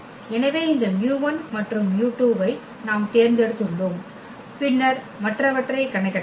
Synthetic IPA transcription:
ɛnɐʋeːɪnd̪ɐnjuːʋɐnmɐʈrɯmjuːʈːjuːbɐɪ | naːmt̪eːɾnd̪eɾt̪ɯɳɖom | pɪɳːɐɾ | mɐʈrɐʋɐʈrɐɪkːɐɳɐkːɐ

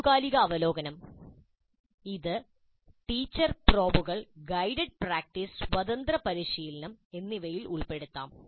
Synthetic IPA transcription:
ɣaːliɣɐːʋɐlo̞ːɡɐnɐm | iðɨ | ʈiːt͡ɕːɐrpro̞ːbuɣɐɭɡɐjɖeɖ̚praːk̚ʈiswɐd̪ɐnd̪ɾɐpɐɾiɕiːlɐnɐme̞nːiʋɐjiluɭpe̞ɽut̪ːa̰ːm

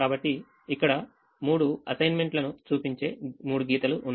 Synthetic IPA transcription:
aːbɐʈːiː | kːɐɽɐ | muːɽuɐsɐjnme̞ɳʈlɐnut͡ʃuːpiɲt͡ʃe̞ːmuːɽuɡiːt̪ɐluʔːnː

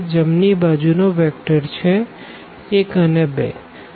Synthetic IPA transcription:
d͡ʒəmnibad͡ʒunoʋɛk̚ʈəɾt͡ʃʰɛ | ekənebḛ

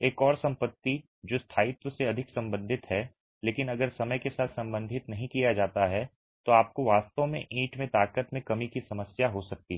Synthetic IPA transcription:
eːkɔːɾsɐ̃mpət̪ːi | d͡ʒoːst̪ʰaːɪt̪əseɐd̪ʱɪksɐ̃mbə̃nd̪ʱɪt̪ɦɛ | leːkɪnɐɡəɾsɐməjkesaːt̪ʰsɐ̃mbə̃nd̪ʱɪt̪nɐɦĩkijad͡ʒaːt̪aɦɛ | t̪oaːp̚koʋaːst̪õmẽʔiːʈmẽt̪aːkət̪mẽkɐmikisɐməsjaɦosɐk̚t̪iɦ

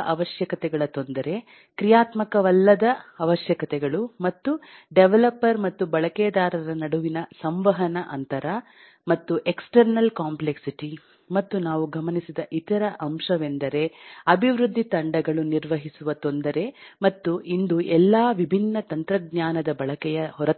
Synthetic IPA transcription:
ʔɐʋɐʃjɐkɐt̪ɛɡɐɭɐt̪o̞nd̪ɐɾe̞ | kɾijaːt̪mɐkɐʋɐlːɐd̪ɐɐʋɐʃjɐkɐt̪ɛɡɐɭumɐt̪ːuɖeʋelɐpːɐɾmɐt̪ːubɐɭɐkeːd̪aːɾɐɾɐnɐɽuʋinɐsɐmʋɐɦɐnɐʔɐnt̪ɐɾɐ | mɐt̪ːuʔeksʈɐɾnɐlkaːmpleksiʈi | mɐt̪ːunaːʋuɡɐmɐnisid̪ɐʔit̪ɐɾɐʔɐmʂɐʋend̪ɐɾe̞ɐbʱiʋɾud̪ʱːit̪ɐɳɖɐɡɐɭuniɾʋɐɦisuʋɐt̪o̞nd̪ɐɾe̞mɐt̪ːuʔind̪uʔɛlːaːʋibʱinːɐt̪ɐnt̪ɾɐɡ̚ɲaːnɐd̪ɐbɐɭɐkɛjɐɦɔɾɐ

